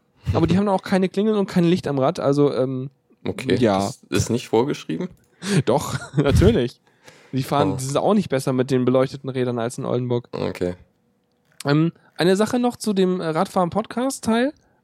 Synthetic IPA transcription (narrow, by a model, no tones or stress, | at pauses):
ʔa̰ːbɐdiːhabmndaaʊkʰaɪnəkl̥ɪŋl̩ʊnt̚kʰaɪnlɪçtamʁatʔa̰lzoʔɛːm | ʔokʰeːjaːɪ̰stnɪçtfoːɐɡəʃʁ̥ḭːbm̩ | d̥ɔχnatʰyːɐlɪç | d̥iːfaːʁəndiːzɪnta̰ʊxnɪçt̚b̥ɛsɐmɪt̚d̥eːnbəlɔʏçtətn̩ʁɛːdɐna̰lsɪnʔɔ̰ldn̩bʊɐko̰kʰeː | ʔɛːm | ʔaɪnəzaχənɔχt͡sudeːmɛʁaːtfaːʁənpʰɔtkʰaːstʰːaɪl